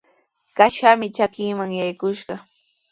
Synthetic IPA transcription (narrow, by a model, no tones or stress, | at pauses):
kaʃamɪt͡ʃakɪŋmaŋjajkʊʃɢɑ